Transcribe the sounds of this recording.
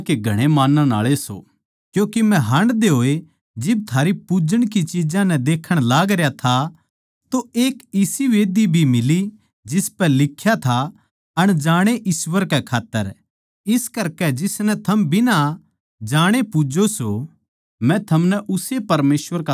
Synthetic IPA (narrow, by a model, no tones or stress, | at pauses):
keɡʱɐɽ̃emaːnːãna̰ːɭeso̰ː | kjõːkemɛ̃ɦɐ̃ɳɖd̪eɦoːe | d͡ʒɪb̚t̪ʰaːɾipud͡ʒəɽ̃k̬it͡ʃid͡ʒãnɛd̪eːkʰəɽ̃laːɡɾjat̪ʰa | t̪oeːkɪsiʋeːd̪ibʱimɪli | d͡ʒɪspɛlɪkʰːjat̪ʰa | ɐɽ̃d͡ʒaːɽ̃eʔɪswəɾkɛkʰaːt̪ːəɾ | ɪskɐɾkɛd͡ʒɪsnɛt̪ʰɐmbʱɪna | d͡ʒaːɽ̃epʊd͡ʒoso | mɛ̃t̪ʰɐmnɛʔʊsepɐɾmeːsʋəɾka